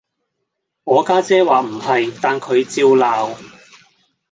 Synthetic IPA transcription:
ŋɔː˨˧kaː˥t͡sɛː˥waː˨m̩˨˩hɐ˨jt̪aː˨nkʰɵ˨˧ɥt͡siː˧wlaː˨˧w

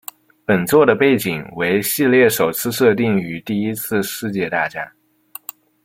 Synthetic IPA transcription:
pə˨˩nt͡swɔ˥˩d̪ə˩pe˥˩ɪt͡ɕi˨˩ŋwe˧˥ɪɕi˥˧ljɛ˥˩ʂo˨˩ʊt͡sʰɹ̩˥˧ʂɤ˥˧t̪̬i˥˩ŋy˧˥t̪i˥˩i˥t͡sʰɹ̩˥˧ʂɻ̩˥˧t͡ɕjɛ˥˧t̪a˥˩t͡ɕja̰˥˩

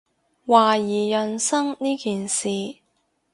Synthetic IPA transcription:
waː˨jiː˨˩jœ˨nsɐ˥ŋniː˥kiː˨nsiː˨

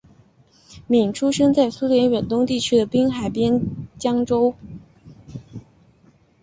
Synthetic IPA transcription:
mi˨˩ŋʈ͡ʂʰu˥ʂə˥nt͡sa˥˩ɪsu˥ljɛ˧˥nɥɛ˨˩nt̪ʊ˥ŋt̪i˥˩t͡ɕʰy˥d̪ə˨pi˥ŋxa˨˩ɪpjɛ˥nt͡ɕjɑ˥ŋʈ͡ʂo˥ʊ

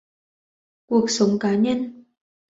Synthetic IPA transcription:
ku˨˩ək̚sə˨˦wŋ͡mkaː˨˦ɲə˧n

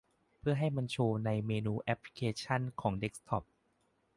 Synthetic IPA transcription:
pʰɯ˥˩ɐɦa˥˩jma˧nt͡ɕʰoː˧na˧jmeː˧nuː˧ʔɛ˦˥p̚ʰli̥˧kʰeː˧t͡ɕʰa˥˩nkʰɔː˩˦ŋde˦˥k̚st̪ʰɔ˦˩p̚

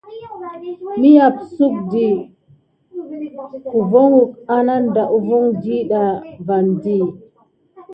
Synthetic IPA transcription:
mi˦ja˨p̚su˦k̚di˨ | ku˨vo˦ŋu˨k̚a˦na˦nda˨ʔu˦vu˦ŋd͡ʒi˦ɗa˨va˨ndi˦

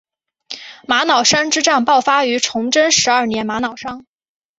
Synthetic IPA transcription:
ma˧˥nɑ˨˩ʊʂa˥ŋʈ͡ʂɻ̩˥ʈ͡ʂa˥˧ŋpɑ˥˩ʊfa˥y˧˥ʈ͡ʂʰʊ˧˥ŋʈ͡ʂə˥nʂɻ̩˧˥ɐ˞˥˩njɛ˧˥nma˧˥nɑ˨˩ʊʂɑ˥ŋ

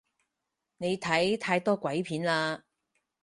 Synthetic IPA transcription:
ne˨˧jt̪ʰɐ˨˥jt̪ʰaː˧jt̪ɔː˥kʷɐ˨˥jpʰiː˨˥nlaː˧

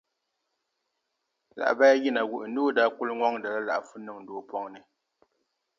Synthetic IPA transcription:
la̰˨ʔba˦ja˦ɣi˦na˨wu˨ʔɨ˨n˦du˦˨da˦ku˦lŋʷɔ˦ŋda˨la˦la̰˨ʔfu˦nɨ˦˨ŋn̩˦doː˨˦pɔ˦ŋnɨ˨

